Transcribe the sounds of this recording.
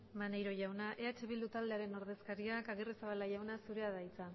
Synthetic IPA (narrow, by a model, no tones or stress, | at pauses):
manejɾo̞ʝawnaʔe̞at͡ʃeβild̪ut̪ald̪e̞aɾe̞no̞ɾðe̞skaɾiakaɣeresaβalaʝawnasuɾe̞aðajt͡sa